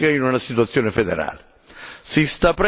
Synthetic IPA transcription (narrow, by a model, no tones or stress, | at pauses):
kainunasit̪̬uat̪sːjoːnɪfed̪ḛɾa̰ːlɪ | sist̪apːɾ